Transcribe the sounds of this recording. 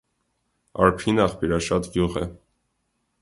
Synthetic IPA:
ɑ̰ɾpʰinɑχpʰiɾɑʃɑt̪ɡjuʁɛ̰

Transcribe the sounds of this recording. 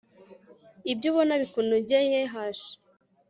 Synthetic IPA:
ibɟuβonaβikunubɟejeɦaʃi̥

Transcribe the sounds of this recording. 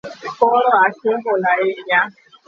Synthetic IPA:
kɔɾɔasɪɦʊlaɪɲa

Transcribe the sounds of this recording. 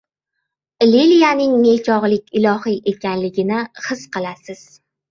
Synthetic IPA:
lilijanɪŋmet͡ʃʰɒʁlˠɪkʲɪlˠɒhiʔe̞kʲʰanlɪɡʲɪnɪχɨsqɨlˠasɪz̥

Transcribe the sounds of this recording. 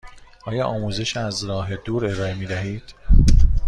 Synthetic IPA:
ʔɒːjɒːʔɒːmuːze̞ʃæzɾɒːɦe̞d̪uːɾe̞ɾɒːe̞miːd̪æɦiːd̪̥

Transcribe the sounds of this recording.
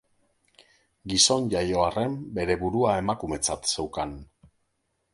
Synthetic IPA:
ɡiso̞nʝajo̞are̞mbe̞ɾe̞βuɾuae̞makume̞t͡sat̪se̞wkan

